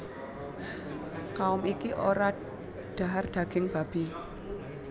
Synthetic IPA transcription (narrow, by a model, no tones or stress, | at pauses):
kaʊmikiʔoɾa | ɖ̥a̤ɦarɖ̪̥a̤ɡ̥ɪŋb̥a̤b̥i̤